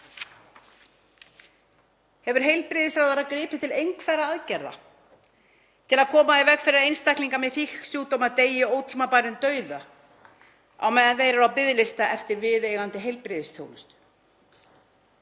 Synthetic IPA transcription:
hɛvʏɾ̥ɦejlpɾɪðɪsɾawðaɾakɾɪːpɪ̥t̪ʰɪlejŋkʰvɛːɾaaðcɛɾða̰ | t̪ʰɪlaðkʰɔːmaivɛkfɪɾɪɾaejnst̪ajkliŋkamɛðθixksjuːt̪owmaðt̪eːjɪowt̪ʰlmapajɾʏnt̪œːɥða | a̰wmɛːðanθejɾaɾawpɪðlɪst̪aʔɛft̪ɪɾvɪðejɣant̪ɪɦejlpɾɪðɪst̪ʰjo̰wnʏst̪

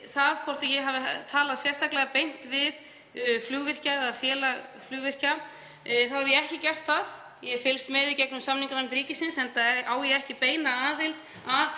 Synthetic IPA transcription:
θaðkʰɔr̥t̪ajɛɦavɪt̪ʰaːlaðsjɛrst̪aklɛɣapejn̥t̪vɪð | fluːɣvɪr̥caaðfjɛːlaɣfluːɣvɪr̥ca | θawhɛɾvjɛɛhcɪcɛr̥t̪θað | jɛfɪlst̪mɛðicɛknʏmsamniŋkanaɾɪmt̪ɾiːcɪsɪnsɛnt̪ʰaðɛɾaːwjɛɛhcɪpeːjnaaːðɪlt̪ | að

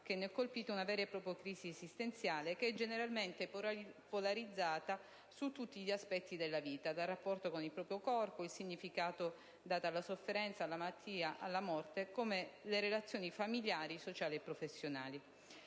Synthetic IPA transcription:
k̟enːkːolpiːt̪ounavɛːɾepɾɔːpɾjokɾiːziezist̪ent̪sjaːlekeɛd͡ʒeneɾalment̪epolaɾid̪zːaːt̪a | sut̪ːut̪ːiʎiaspɛt̪ːid̪elːaviːt̪ad̪alrːapːɔrt̪okonilpɾɔːpɾjokɔrpoilsiɲːifikaːt̪o | d̪aːt̪alːasofːeɾɛnt̪salːamaat̪ʰːiːaʔa̰lːamɔrt̪ekomeleɾelat̪sːjoːnifamiljaːɾisot͡ʃaːliepːɾofesːjonaːli

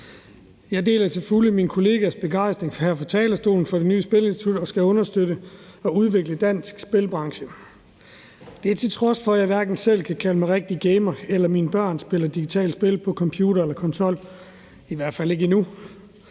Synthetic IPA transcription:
jɑ̈de̝̰ːlɐt͡sʰe̝fuliminkʰo̝le̝ːɡ̥æsb̥e̝ɡ̥ɑ̈ɪsd̥ʁeŋhæɐfɒ̽t͡sʰɛ̰ːlɐsd̥o̝̰ːln̩fɒ̽ɾ̥e̝nyːəsb̥e̝le̝nsi̥t͡sʰud̥ɒ̽sɡ̥æɔ̽nɐsd̥øɾəɒ̽uð̞ˠʋe̝ɡ̥ləd̥æn̰sɡ̥sb̥e̝lb̥ʁɑ̈ŋɕə | d̥e̝æt͡sʰe̝lt͡sʰʁɒ̽sfɒ̽jɑ̈ɪʋæɐɡ̥n̩sel̰kʰækʰæləmɑʁeɡ̥̚d̥iəɡ̥eɪmɐelɐmiːnəb̥ɶɐ̰nsb̥e̝lɐd̥iɡ̥it͡sʰɛ̰ːld̥sb̥e̝lpʰɒ̽kʰɒ̽mpʰjuːɾ̥ɐelɐkʰɒ̽nt͡sʰɒ̽l̰ | iʋæɐd̥fæle̝ɡ̥əinu

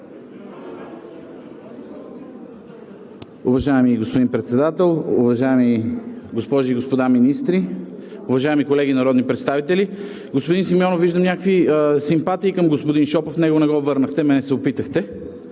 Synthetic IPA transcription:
ʊvɐʒaɛmiɡospod̪inpɾɛt̪sɛd̪at̪ɛlˠʊvɐʒaɛmiɡospɔʒiːɡospod̪aminist̪ɾiʊvɐʒaɛmikolɛɡinɐɾɔd̪nipɾɛt̪st̪avit̪ɛli | ɡospod̪insimjɔnoviʒd̪əmnʲakvisimpat̪iːkəmɡospod̪inʃɔpəfnɛɡonɛɡɔvɤɾnəxt̪ɛmɛnɛsɛopit̪əxt̪ɛ

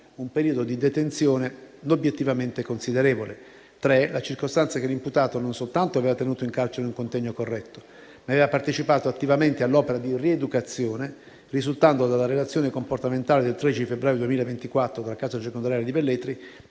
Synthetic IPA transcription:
umpeɾiːod̪od̪id̪et̪ent̪sjoːnenobjet̪ːivament̪ekonsid̪eɾeːvole | t̪ɾelat͡ʃirkost̪ant̪sakelːimput̪aːt̪ononsolt̪ant̪oaveːvat̪enuːt̪oiŋkart͡ʃeɾeuŋkont̪ɛɲːokorːɛt̪ːo̥ | maveːvapart̪et͡ʃipaːt̪oat̪ːivament̪ealːɔːpeɾad̪iried̪ukat̪sːjoːne | rizult̪and̪od̪alːaɾelat̪sːjoːnekomport̪ament̪aːled̪elt̪ɾed̪it͡ʃiifebɾaːjod̪uemiːlaevent̪ikwat̪ːɾod̪alakaːsat͡ʃekond̪oɾjaljed̪ibelːet̪ɾi

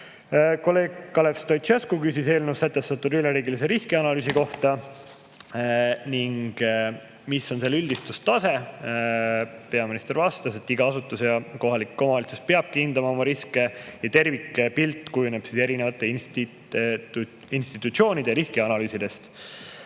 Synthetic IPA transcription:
ko̞le̞ːɡ̚kːɑlekst̪ojt̪t͡ʃeskukysise̞ːlnuusæt̪ːest̪ɑt̪ːˑud̪yleɾiːɡilise̞ɾiskiɑnɑlyːsiko̞ht̪ɑ | niŋɡ̥ | miso̞nse̞lylʲd̪̥ist̪ust̪ɑse̞ | pe̞ɑminist̪e̞ɾvɑst̪ɑse̞t̪ːˑiɡ̥ɑɑsut̪ːˑusjɑko̞ɦɑlikːo̞mɑlit̪suspe̞ɑb̥kind̪̥ɑmɑo̞mɑɾiske̞jɑt̪e̞rvikːepilt̪ːˑkujuneb̥sise̞ɾine̞vɑt̪ːˑe̞int̪i | inst̪it̪ˑut̪sio̞ːnid̪̥eɾiskiɑnɑlyːsid̪e̞st̪

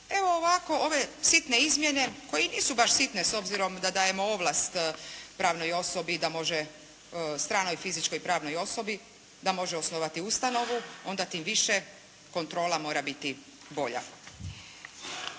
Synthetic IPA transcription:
e̞ʋo̞ːʋako̞o̞ʋe̞sit̪ne̞izmjene̞ko̞jeniːsubaʃsit̪neso̞bziɾo̞md̪ad̪aːjemo̞oʋlˠast̪pɾaːʋno̞jo̞sobid̪amo̞ʒe | st̪ɾaːno̞jfizit͡ʃko̞jpɾaːʋno̞jo̞so̞bi | d̪amo̞ʒeosno̞ʋat̪iust̪ano̞ʋuo̞nd̪at̪iːmʋiʃe | ko̞nt̪ɾo̞ːlamo̞ːɾabit̪i | bo̞ʎa̰

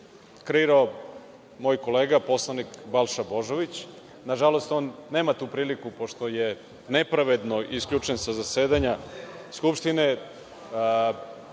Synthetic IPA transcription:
kɾeiɾao | moːjko̞le̞ːɡapo̞slˠanikbalˠʃabo̞ʒo̞ʋit͡ɕ | naʒalo̞st̪o̞nːe̞ːmat̪uːpɾiːlikupo̞ʃt̪oje̞ | ne̞pɾaʋe̞d̪no̞iskʎʲut͡ʂe̞nsazaseːd̪aɲaskupʃt̪ine

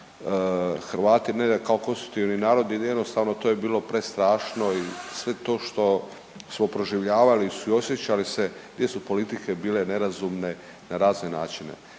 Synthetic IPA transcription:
xɾʋaːt̪inekaoko̞nst̪ɾuk̚t̪iʋninaːɾo̞d̪ijed̪nost̪aʋno̞t̪o̞ːjebiːlo̞pɾest̪ɾaːʃno̞isʋe̞t̪o̞ːʃt̪o̞ | smopɾoʒiʋʎaːʋalisuio̞sje̞t͡ɕalise̞ɡd̪je̞supo̞lit̪ike̞biːle̞ne̞ɾazumne̞ | naɾaːznena̰ːt͡ʃine̞̰

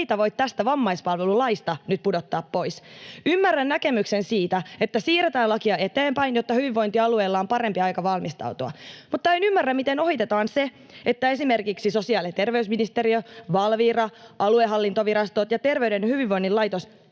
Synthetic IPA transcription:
t̪æʋo̞it̪t̪æst̪æʋɑmːɑispɑlʋelulɑist̪ɑnyt̪̚pudot̪ːɑːppo̞isymːærːænnæke̞myksensiːt̪æet̪ːæsiːret̪æːnlɑkiɑet̪eːmpæinjot̪ːɑhyʋiʋʋːo̞int̪iɑlueːlːɑompɑɾempiɑjkɑʋɑlmist̪ɑ̰ut̪oɑ̰mut̪ːɑenymːærːæmmit̪eno̞hit̪et̪ɑːnse | et̪ːæe̞simerkiksiso̞siɑːlet̪e̞rʋeysminist̪eɾiøʋɑlʋiːrɑʔɑlueɦɑlːint̪oʋiɾɑst̪ot̪jɑt̪e̞rʋeydenhyʋiʋʋoinːilɑjt̪os

